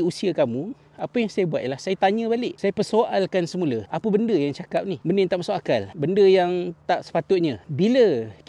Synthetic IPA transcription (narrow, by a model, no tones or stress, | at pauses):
usiakamũ | apəjaŋsajabuat̪̚jlahsajat̪aɲə̃balɪʔsajapərsoʔalkansəmũləapəbəndəjaŋt͡ʃakap̚nihbəndəjaŋt̪aʔmasakakalbəndəjaŋt̪aʔsə̥pat̪ʊt̪̚ɲãbilək